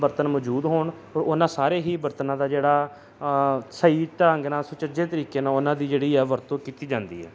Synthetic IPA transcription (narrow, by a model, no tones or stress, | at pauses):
bəɾt̪ənmɔːd͡ʒuːd̪ɦoːɳ | oːɾʊnãːsaːɾeːɦiːbəɾt̪ənãːd̪aːd͡ʒeːɽaː | səiːt̪əɾə̃ŋɡnãːsʊt͡ʃəd͡ʒeːt̪əɾiːkeːnãːʊnãːd̪iːd͡ʒeːɽiːɛːʋəɾt̪õːkiːt̪iːd͡ʒãːnd̪ḭːɦɛ̰ː